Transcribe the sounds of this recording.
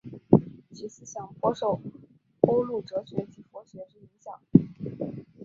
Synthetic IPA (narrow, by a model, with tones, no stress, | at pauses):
t͡ɕi˧˥s̩˥ɕjɑ˨˩ŋpwɔ˥ʂo˥˩ʊ | ko˥ʊlu˥˩ʈ͡ʂɤ˧˥ɕɥɛ˧˥t͡ɕi˨˩fwɔ˧˥ɕɥɛ˧˥ʂɻ̩˥˧i˧˥ŋɕjɑ˨˩˦ŋ